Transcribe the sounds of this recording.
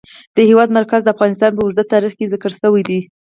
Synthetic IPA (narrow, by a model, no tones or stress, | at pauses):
d̪̥əhewɑd̪maɾkazd̪əafɣɑnɪst̪ɑnpəʊʒd̪at̪ːɑɾixkezakəɾsəwajd̪i